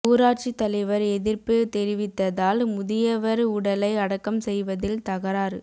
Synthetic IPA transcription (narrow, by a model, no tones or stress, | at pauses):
uːɾaːʈ̚t͡ʃit̪ːɐlɐɪʋɐɾɛðɪɾpɯt̪ɛɾɪʋɪt̪ːɐðaːlmʊðɪjɐʋɐɾʊɽɐlɐɪɐɽɐkːɐmsɛjʋɐðɪlt̪ɐɣɐɾaːɾɯ